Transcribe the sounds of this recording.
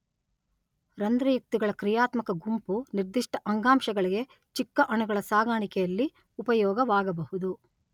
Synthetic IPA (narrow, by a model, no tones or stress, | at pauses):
ɾɐnd̪ɾɐjuk̚t̪iɡɐɭɐkɾijaːt̪mɐkɐɡumpuniɾd̪iʂʈɐʔɐŋɡaːmʃɐɡɐɭiɡe̞ | t͡ʃikːɐʔɐɳuɡɐɭɐsaːɡaːɳikɛjɐlːi | upɐjɔːɡɐʋaːɡɐbɐhud̪u